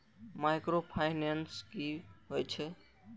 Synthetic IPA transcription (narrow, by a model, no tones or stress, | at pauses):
maɪkɾopʰaːɪnenskiɦojt͡ʃʰɛ